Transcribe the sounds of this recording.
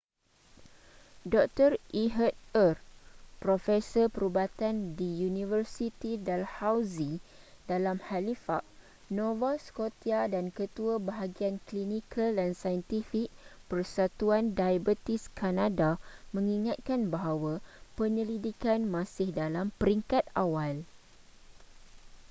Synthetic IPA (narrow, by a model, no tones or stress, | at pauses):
dɔk̚t̪ərʔiɦət̪̚ərpɾofɛsəpəɾubat̪andijunivərsit̪idalhawzi | dalamhalifaʔ̚ | nɔ̃vaskot̪iadankət̪uabaɦaɡianklinikʰaldansajənt̪ifik̚pərsat̪uandajabət̪iskanãdamə̃ŋiŋat̪̚kanbaɦawapəɲəlidikanmãsɪhdalampəɾiŋkat̪̚awal